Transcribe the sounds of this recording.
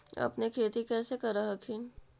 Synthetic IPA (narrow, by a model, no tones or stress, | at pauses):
ɐ̰pnekʰeːt̪ikɛːsekɐɾɐɦɐkʰi